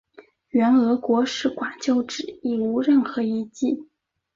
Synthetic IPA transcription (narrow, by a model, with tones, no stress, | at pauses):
ɥɛ˧˥nɤ˧˥kwɔ˧˥ʂɻ̩˥˩kwa˨˩nt͡ɕjo˥˩ʊʈ͡ʂɻ̩˨˩i˥˩u˧˥ɻə˥˩nxɤ˧˥i˧˥t͡ɕi˥˩